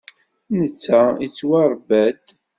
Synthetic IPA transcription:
nət͡sːæit͡sːwɑɾˤbæd̪

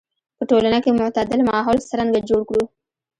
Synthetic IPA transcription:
pəʈolanakemʊʕt̪ad̪ɪlmɑɦɔlsəɾaŋɡad͡ʒoɽkɽu

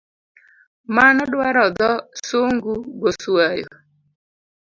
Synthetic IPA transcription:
manɔɗwaɾɔd̪ɔsuŋɡuɡosuajɔ̰

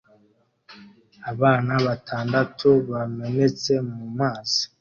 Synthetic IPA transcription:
aβaːnaβatʰaːndatʰuβamene̞t͡se̞mumaːzi̥

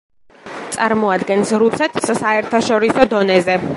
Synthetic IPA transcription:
t̪sʼaɾmɔad̪ɡɛnsɾusɛt̪ʰi̥ssaɛɾt̪ʰaʃɔɾisɔd̪ɔnɛzɛ

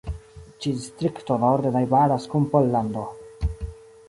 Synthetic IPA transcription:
t͡ʃidist̪ɾiktonoɾd̪enajbaɾaskumpolːand̪o

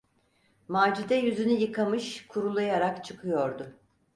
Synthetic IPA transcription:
maːd͡ʒid̪ɛjyzynyjɯkʰamɯʃkʰuɾulˠajaɾakt͡ʃʰɯkʰɯjo̞ɾd̪ʊ

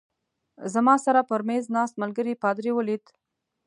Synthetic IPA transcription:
zamɑsaɾapəɾmeznɑst̪̚malɡəɾipɑd̪ɾiwəlit̪

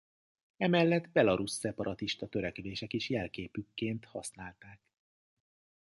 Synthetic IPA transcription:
ɛmɛlːɛd̪bɛlɒɾusːɛpɒɾʔɒt̪iʃt̪ɒt̪ø̞ɾɛkɛleːʃɛkeʃjɛlkeːpykːeːnt̪hɒsnaːlt̪aːk

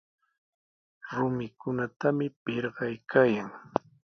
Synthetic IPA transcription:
ɾʊmɪkʊnat̪amɪpɪɾɢɑjkʰaːjaŋ

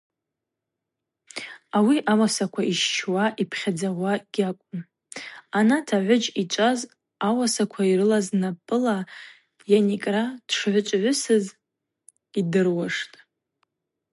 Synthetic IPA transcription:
awiʔawasakʷʰaiʃt͡ʃʰwaʔipʰχʲad͡zaʁʷaɡ̥ʲakʷʼʊn | anatʰaʕʷʊd͡ʒit͡ʃʷʼaz | awasakʷʰaiɾɨlaznapʼɨla | janikʼrad̥ʂʕʷʊt͡ʃʷʼʕʷʊsɨz | idɨrwaʂtʼ

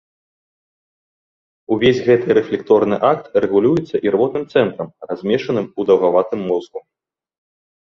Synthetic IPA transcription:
uvʲesʲɣɛt̪ɨɾɛflʲɛkt̪ɔrnɨʔak̚t̪rɛɣulʲujɛt̪sːɐʔirvɔt̪nɨmt̪sɛnt̪ɾɐmrazʲmʲɛʂɐnɨmud̪ɐwɣavat̪ɨmːɔzɣu

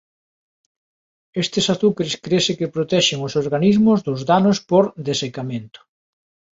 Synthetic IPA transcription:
est̪ɪsaθukaɾskɾesɪkepɾot̪ɛʃɪŋʊsoɾɣanizmʊzðʊzðanospoɾd̪esekamẽnt̪ʊ̥

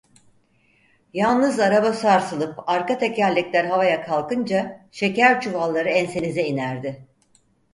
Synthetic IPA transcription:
jalˠnɯzaɾabasaɾsɯlˠɯpaɾkat̪ʰe̞cælʲːiclʲæɾɦavajakʰalˠkɯnd͡ʒaʃe̞cæɾt͡ʃʰuvalˠːaɾɯɛnse̞nizɛinæɾd̪ɪ

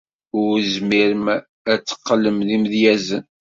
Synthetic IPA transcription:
ʊɾzmiɾəm | æt͡sːə̥qːələmðimðjæzən

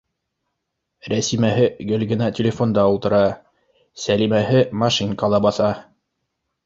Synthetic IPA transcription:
ɾæsimæɦɘɡɵ̆lɡɘ̆næt̪ʲɪlʲɪfo̞nd̪ɑulˠt̪ɤ̆ɾɑ | sælimæɦɘmɑʃiŋkɑlˠɑbɑθɑ

